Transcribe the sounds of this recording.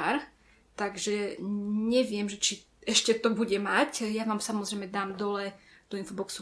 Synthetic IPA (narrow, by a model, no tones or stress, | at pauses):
ɾ | t̪aɡʒɛɲɛʋɪɛmʒɛt͡ʃi | ɛʃcɛt̪ɔbuɟɛmacjaʋaːmsamɔzɾɛjmɛd̪aːmd̪ɔlɛ | d̪̥ɔinfɔbɔksu